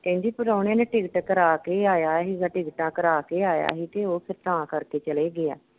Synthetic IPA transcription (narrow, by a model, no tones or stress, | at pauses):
kɛ̃ːɲd͡ʒiːpəɾoːneːneʈɪɡʈkəɾaːkeːaːjaːɦiːɡãːʈɪɡʈãːkəɾaːkeːaːja̰ːɦiːt̪eːoːpʰɪɾt̪ãːkəɾkeːt͡ʃəleːɡɪa̰ː